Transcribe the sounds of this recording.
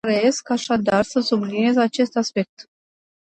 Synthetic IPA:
ɾəe̞skaʃad̪arsəsublinie̞zat͡ʃe̞st̪aspe̞k̚t̪

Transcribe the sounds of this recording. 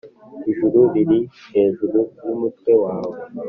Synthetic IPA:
iʒuɾuβiɾiheːzuɾunumutwewaːwo

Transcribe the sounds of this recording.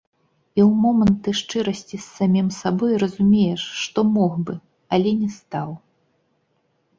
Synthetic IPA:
iwmɔmɐnt̪ːɨʂt͡ʂɨɾɐsʲt͡sʲisːamʲimsabɔjrɐzumʲejɛʂːt̪ɔmɔxbɨ | ɐlʲɛnʲɛst̪aw

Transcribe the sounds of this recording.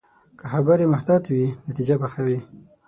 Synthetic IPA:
kaxabaɾemaht̪ɑt̪winat̪id͡ʒabaxawi

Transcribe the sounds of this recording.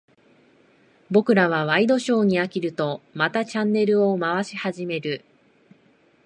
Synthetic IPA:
bo̞kɯ̟ɾaβ̞aβ̞aid̪o̞ɕo̞ːɲ̟iakʲiɾɯ̟t̪o̞mat̪at͡ɕãnːe̞ɾɯ̟o̞maβaɕihaʑime̞ɾɯ̟

